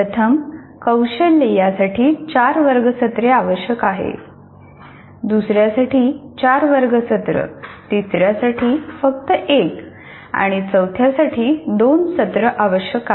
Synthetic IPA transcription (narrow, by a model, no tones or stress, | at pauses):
pɾət̪ʰəm | kəwɕəlːejasaʈʰiːt͡ɕaɾʋəɾɡəsət̪ɾeaʋəɕjəkaɦḛ | d̪usɾjasaʈʰiːt͡ɕaɾʋəɾɡəsət̪ɾə̰t̪isɾjasaʈʰiːfək̚t̪əʔek | a̰ɽ̃it͡səwt̪ʰjasaʈʰiːd̪onsət̪ɾəʔaʋəɕjəkaɦ